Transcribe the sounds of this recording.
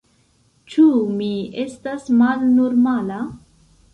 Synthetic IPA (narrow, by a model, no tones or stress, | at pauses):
t͡ʃumiestasmalnoɾmala